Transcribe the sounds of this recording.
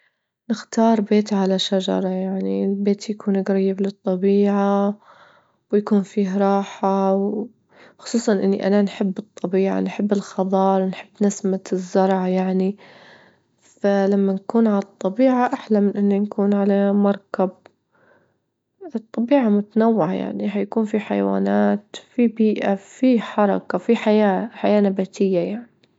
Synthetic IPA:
nɪxt̪ɑːɾˤbeːt̪ʕalaʃad͡ʒɑ̰ɾˤɑjaʕnilbeːt̪jakuːnɡɾɑjːɪblɨt̪ˤːɑbiːʕa | wjakuːnfiːɦɾˤɑːħaw | xʊ̥sˤuːsˤɑnʔɪnːiʔananħɪbːɨt̪ˤːɑbiːʕa̰nħɪbːɪlxɑðˤɑːɾˤwnħɪbːnasmazːɑɾˤʕajaʕni | falamːankuːnʕalɑt̪ˤːɑbiːʕaʔaħlamɪnʔɪnːinkuːnʕalamɑɾˤkab̚ | ɨt̪ˤːɑbiːʕamʊt̪anawːɪʕaja̰ʕniɦajakuːnfiħa̰jwa̰ːnaːt̪fibiːʔafiħɑɾˤɑkafiħajaːħajaːnabat̪ʰɪjːajaʕni

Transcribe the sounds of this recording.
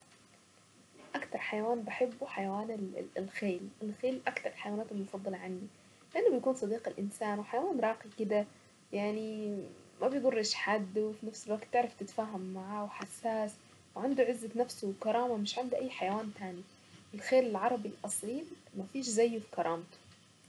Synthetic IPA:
ʔakt̪ɑɾˤħajawaːnbɪħɪbːuħajawaːnɪlxeːlʔɪlxeːlʔakt̪ɑɾˤɪlħajawaːnaːt̪ɪlmʊfɑd̪ˤːɑlʕanːi | lɪʔanːʊbɪjkuːnsˤɑd̪iːqɪlʔɪnsaːnwɪħajawaːnɾˤɑːqikɪd̪a | jaʕni | mabjd̪ˤʊrˤːɪʃħad̪ːwfinafsɪlwaːkt̪ːɪʕɾˤaft̪ɪt̪faːɦamːaʕaːwħasːaːs | wʕand̪uʕɪzːat̪nafsuwkɑɾˤɑːmamɪʃʕand̪iʔajːħajawaːnt̪aːni | ʔɪlxeːlɪlʕɑɾˤɑbilʔɑsˤiːlmafiːʃzajːfi̥kɑɾˤɑːmt̪u̥

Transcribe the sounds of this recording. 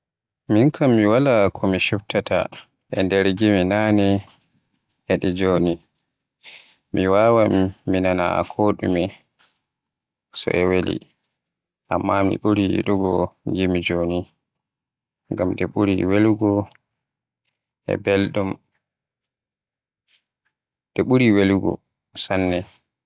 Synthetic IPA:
minkʰamːiwalakʰɔmiʃuptata̰ | ʔɛndɛɾɡiminanɛ | ɛɗid͡ʒoni | miwawamːinana̰a̰kʰoɗṵmi | sɔ̰ʔɛwelḭ | ʔamːamḭɓuɾiɗuɡɔɡimid͡ʒoni | ŋɡamɗɛɓuɾiweluɡɔ | ɛ̰bɛlɗum | ɗɛɓuɾiweluɡɔ̰ | sanːɛ

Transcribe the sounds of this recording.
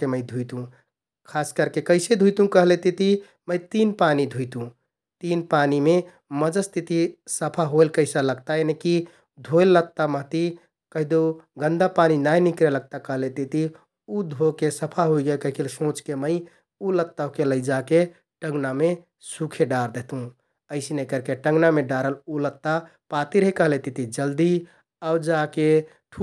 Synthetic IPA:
keməɪd̪ʱuit̪ũ | kʰaskəɾkekəɪsed̪ʱuit̪ũkəɦlet̪it̪i | məjt̪inpanid̪ʱuit̪ũ | t̪inpanime | məd͡ʒəst̪ʰit̪isəpʰaɦojlkəɪsaləɡt̪aeneki | d̪ʱojlːət̪ːaməɦt̪i | kəɦid̪oɡənd̪apaninajnikɾeləɡ̚t̪akəɦlet̪it̪i | ud̪ʱokesəpʰaɦoiɡəlkəɦkʰelsõt͡ʃkeməɪ | ulət̪ːaɦukeləjd͡ʒake | ʈə̃ŋɡname | sukʰeɖaɾd̪et̪ɦũ | əɪsinekəɾkeʈə̃ŋɡnameɖaɾəlulət̪ːa | pat̪iɾəɦekəɦlet̪it̪id͡ʒəld̪i | aud͡ʒake | ʈʰ

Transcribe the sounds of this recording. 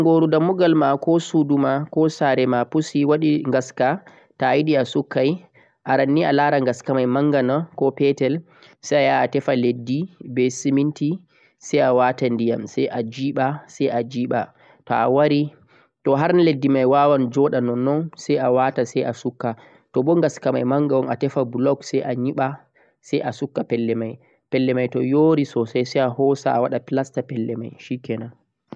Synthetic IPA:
aŋɡoɾudamuɡalmakɔsudumakɔsaɾɛmapusiwaɗiŋɡaska | tajiɗiasukːaj | ʔaɾanːialaɾaŋɡaskamajmaŋɡanakɔpɛtɛl | sajajaːtɛfaledːibɛsiminti | sɛjawatandija̰msɛjʔad͡ʒiːɓasɛjad͡ʒiːɓa | tɔ̰a̰waɾi | tɔɦaɾnledːimajwawand͡ʒɔɗanɔnːɔnsɛjawatasɛjʔasukːa | tɔɓɔŋɡaskamajmaŋɡawɔnatɛfabulɔɡsɛjʔaɲiɓa | sɛjʔasukːapɛlːɛmaj | pɛlːɛmajtɔjoːɾisɔsajsɛjahɔsa̰ːwaɗapilastapɛlːɛma̰jʃikɛna

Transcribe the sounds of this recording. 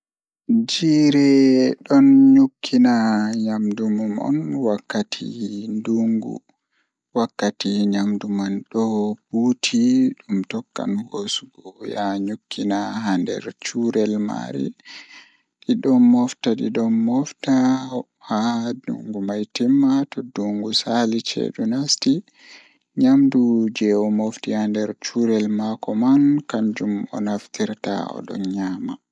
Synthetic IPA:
d͡ʒiːɾɛɗɔnɲukʰːinaɲamdumamɔ̰nwakːatʰḭnduŋɡṵ | wakːatiɲamdumanɗɔbutʰiɗumtɔkːa̰nhosuɡɔwjaɲukʰːinaɦandɛ̰ɾt͡ʃuɾɛlma̰ɾḭ | ɗiɗɔnːɔftaɗiɗɔnːɔfta | hadṵŋɡumajtimːatɔduŋɡusalit͡ʃɛ̰ɗunasti | ɲamdud͡ʒɛwɔmoftihandɛɾt͡ʃuɾɛlmakɔmankand͡ʒumɔ̰naftiɾta̰ɔ̰ɗɔ̰nɲaːma

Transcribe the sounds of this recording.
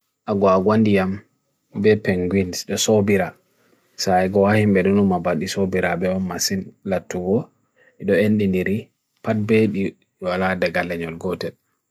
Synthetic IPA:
ʔaɡɔaɡwandijam | bɛpɛŋɡwinsɗɔsobiɾa | saɛɡɔwahimbɛɗɔnumːabaɗisobiɾabɛɔmːasinlatːuɡɔ | ɛɗɔenɗindiɾi | pat̚beɗi | waladɛɡalːɛɲɔlɡɔtɛl

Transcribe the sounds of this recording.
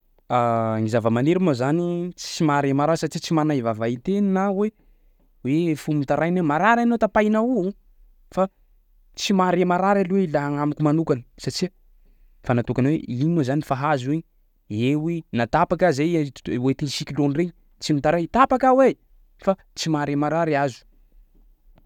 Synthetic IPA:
aŋizavəmaneɾimazanit͡st͡simaɾemaɾasat͡ʃit͡simanaivavait̪eninawe | wefumint̪aɾajnemaɾaɾanot̪apajnauu | fa | t͡simaɾemaɾaɾalweilaɦaŋamikʲumanukani̥sat͡ʃi | fanat̪okanwḛinozanifaɦazweɲ | ewenat̪apakazejwet̪ensikʲilonreɲi | t͡simit̪aɾajt̪apakawe | fa | t͡simaɾemaɾaɾiazu̥

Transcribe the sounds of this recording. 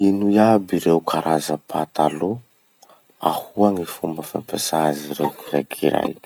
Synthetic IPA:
inuiabiɾewkʰaɾʔazəpʰat̪alo | ahuaŋifumbəfa̰mpesaziɾewkinakʰiɾa̰j

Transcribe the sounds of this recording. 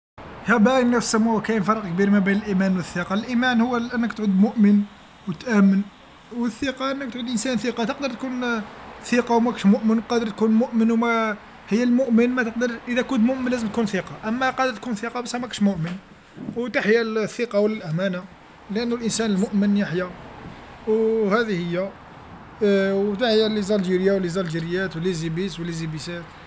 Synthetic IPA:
hæbænːæsəmːuwkæjnfɑɾˤəqkbiɾmæbæjnəlʔimænwəθːiqɑlʔimænhʊwːæʔənːəkt̪ʕud̪mʊʔmən | wət̪ʔæmːən | wəθːiqɑʔənːək̚t̪ʕud̪ʔənsænθiqɑt̪əqd̪əɾˤt̪̚kunθiqɑwmækʃmʊʔmənwqɑd̪əɾt̪̚kunmʊʔmənwmæ | həjːælmʊʔmənmæt̪əq̚d̪əɾˤʔəd̪ækʊnt̪mʊʔmənlːæzəmt̪̚kunθiqɑʔəmːæqɑd̪əɾt̪̚kunθiqɑbæsæmækʃmʊʔmən | wt̪aħjælθːiqɑwəlːælʔæmæna | lʔənːʊlʔənsænəlmʊʔmənjaħjæ | whæd̪ihəjːæ | wt̪aħjælizˤɑlʒiɾjawlizɑlʒiɾjæt̪wəlizibiswəlizibisæt̪

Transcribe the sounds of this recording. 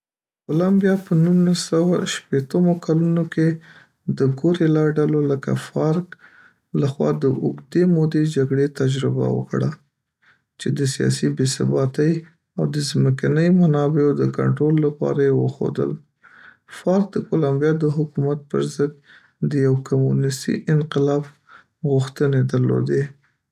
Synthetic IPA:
kolambjɑpənunlasawaʃpet̪əmokʰalunoke | d̪əɡoɾelɑɖaloləka̰fɑɾk | laxwɑ̰d̪əʔʊɡd̪emod̪ed͡ʒaɡɽet̪ad͡ʒɾɪba̰wə̰kɽa | t͡ʃed̪əsijɑ̰sibesa̰bɑt̪əj | awd̪əzməkanəjmanɑbeod̪əka̰ɳʈɾolːapɑ̰ɾajewə̰xo̰d̪ə̰l | fɑɾk̚d̪əkolambjɑd̪əɦʊkumat̪̚pə̰ɾzəd̪ | d̪əjawkamunɪst̪ḭʔɪnqɪlɑb | ɣʊxt̪əned̪əɾlo̰d̪e

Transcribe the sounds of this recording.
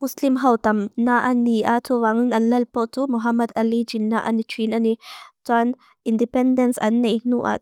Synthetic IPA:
muslimɦɐwt̪ɐmnaʔanːiʔat̪ʰuwaŋnɐnlɐlpɔʔt̪umuɦɐmɐd̪ɐlid͡ʒinːaʔɐ̰nit͡ʃʰinɐnitwan | indipɛndɛnsɐ̰nːenuʔa̰

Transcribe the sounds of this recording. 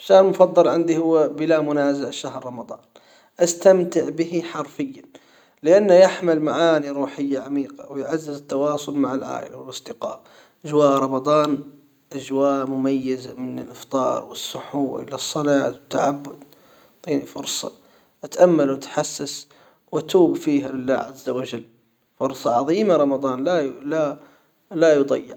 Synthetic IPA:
ʃːahɾlmʊfɑd̪ˤːɑlʕɪnd̪ihʊwːbɪlamʊnaːzaʕʃaɦɾːˤɑmɑd̪ˤɑ̰ːn | ʔast̪amt̪ɪʕbɪhiħɑɾˤfɪjːa | lɪʔanːajaħmɪlmaʕaːniɾˤuːħɪjːaʕamiːqawɪjʕazːɪzɪt̪ːɑwɑːsˤʊlmaʕalʕa̰ːʔɪ̰lawɪlʔɑsˤd̪ɪqɑ̰ːʔ | ʔad͡ʒwaːʔɾˤɑmɑd̪ˤɑːn | ʔad͡ʒwaːʔmʊmajːazamɪnɪlʔɪft̪ˤɑ̰ːɾˤwɪsːʊħuːɾʔɪ̰lasˤːɑlɑːt̪wɪt̪ːaʕabːʊd̪ | t̪ˤiːnifʊɾsˤɑ̰ | ʔat̪ʔamːalwat̪ħasːas | wɪt̪uːbfiːɦalɪlːa̰ːʕazːawad͡ʒalː | fʊɾsˤɑʕɑðˤiːmaɾˤɑmɑd̪ˤɑːnlala | lajʊd̪ˤɑ̰jːɪ̰ʕ

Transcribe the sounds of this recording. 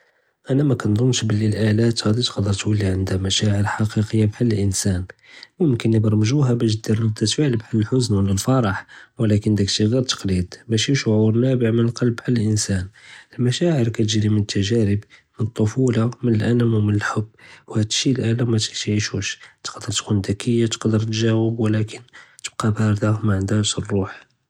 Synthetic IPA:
ʔænæmækɑnd̪ˤʊnːʃbəlːilʔælæt̪ɣɑd̪it̪qd̪ːəɾˤt̪wəlːiʕənd̪æmæʃæʕəɾħɑqiqəjːabħalːəlʔənsænmʊmkənːəbɾˤmʒuɦæbæʃ̬d̪iɾləd̪æt̪fiʕəlbħalːəlħʊznwələlfɑɾˤɑħwlækənd̪ækʃiɣiɾt̪ə̥qlid̪bæʃiʃʕuɾnæbəʕmənəlqɑlbːħalːəlʔənsænəlmæʃæʕəɾkæt̪əʒɾimənət̪ːæʒæɾəbmənət̪ˤːofulɑmənəlʔæ̰nəmwmənəlħʊbːwhæd̪əʃilʔælæmæt̪t̪ʕiʃuʃt̪ə̥qd̪əɾt̪kʰund̪ækʰəjːat̪ə̥qd̪əɾt̪ʒæwəbwlækʰənt̪ə̥b̥̚qɑbæɾd̪æhmaʕənd̪æʃrˤːuħ

